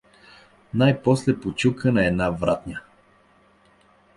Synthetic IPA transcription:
najpɔslɛpot͡ʃukənɐɛd̪navɾa̰t̪ɲʲə

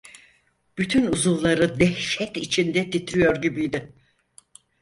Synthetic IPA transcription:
b̥yt̪ʰynuzulˠːaɾɯd̪ɛhʃɛt̪it͡ʃʰind̪ɛt̪ʰit̪ɾijoɾɟibijd̪ɪ

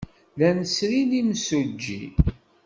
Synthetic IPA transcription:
lænəsɾinimsud͡ʒːḭ

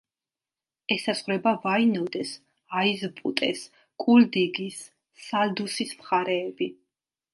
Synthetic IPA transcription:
ɛsaz̥ʁɾɛbavainɔd̪ɛs | aizpʼṵt̪ʼɛ̰s | kʼuld̪iɡisː | ald̪usismχaɾɛːbi

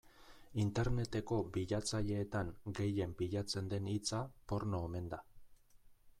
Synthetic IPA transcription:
int̪e̞ɾne̞t̪e̞ko̞biʎat͡saʎe̞ːt̪aŋɡe̞je̞mpiʎat͡se̞nd̪e̞nit͡sapo̞ɾno̞eme̞nd̪a

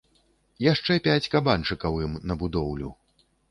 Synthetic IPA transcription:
jaʂt͡ʂɛpʲat͡sʲkabant͡ʂɨkɐwɨmnɐbud̪ɔwlʲu

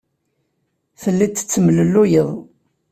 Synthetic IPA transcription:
θəlːit͡sːə̥t͡sːəmləlːujəðˤ

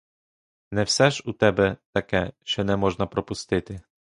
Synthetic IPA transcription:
nɛwsɛʒut̪ɛbɛt̪ɐkɛʃt͡ʃɔnɛmɔʒnɐpɾɔpʊst̪ɪt̪ɪ

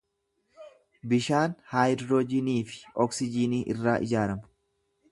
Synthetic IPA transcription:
bɪʃaːnhaːjdɾoːd͡ʒɪniːfɪ̥ʔɔksɪd͡ʒɪniːʔɪrːaːʔɪ̰d͡ʒaːɾɐmʊ

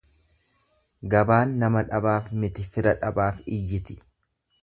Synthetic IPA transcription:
ɡɐbaːnːɐmɐᶑɐbaːfmɪt̪ɪfɪɾɐᶑɐbaːfɪjːɪt̪ɪ̥

